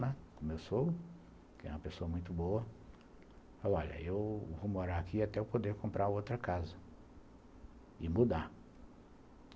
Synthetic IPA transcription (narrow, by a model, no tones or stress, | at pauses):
nɐ̃kõmewsow | kɪɛ̰ũmɐpesoɐmũj̃t̪ʊboɐ | ɔʎɐ̰ewvomoɾaakʰiat̪ɛʊwpod̪eɾkõmpɾʔaowt̪ɾɐkazɐ | ɪmud̪a